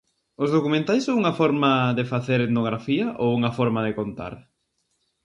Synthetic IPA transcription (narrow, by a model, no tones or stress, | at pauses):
ʊzðokumẽnt̪ajsõŋuŋɐfɔɾmɐðɪfaθeɾet̪noɣ̞ɾafiɐʔowuŋɐfɔɾmaðɪkont̪a̰ɾ